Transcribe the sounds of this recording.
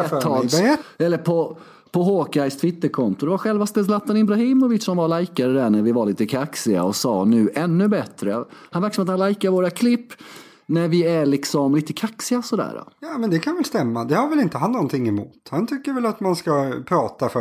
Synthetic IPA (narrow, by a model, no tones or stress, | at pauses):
ɛɑːlɛlːəpʰɔ | pʰɔɦoːkajst̪ʰvɪt̪ːəɾkʰɔnt̪ʊd̪ɛvaɾɧɛlvast̪ɛːslat̪ːanɪbɾahiːmɔvɪt̪sɔmvaɭajkaɾəd̪æɳæɾvɪvaɭiːt̪əkʰaksɪa̰ɔsɑːnʉ̟ːʔɛnːɵbɛt̪ɾəhanvæɾkʂəmat̪hanlajkaɾvoːɾakʰlɪpː | næɾvɪæɭɪksɔmliːt̪əkʰaksɪasɔd̪æ̰ːɾa̰jɑːmɛnd̪ɛkʰanvɛlst̪ɛmːad̪ɛhaɾvɛlɪnt̪əɦanːɔnt̪ʰɪŋːɛmuːt̪hant̪ʰʏkːəɾvɛlat̪manskapʰɾɑːt̪af